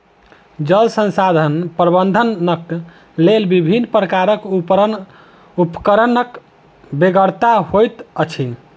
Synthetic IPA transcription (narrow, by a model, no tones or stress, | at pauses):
d͡ʒəlsə̃nsad̪ʱənpɾəbənd̪ʱənːək | lelbibʱinːpɾəkaɾəkupɾə | upə̥kəɾənək | beɡəɾt̪aɦojt̪ət͡ʃʰi